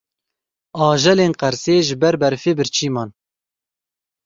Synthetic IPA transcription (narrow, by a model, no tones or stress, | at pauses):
ɑːʒɛleːnqæɾseːʒɪbɛɾbɛɾfeːbɨɾt͡ʃʰiːmɑːn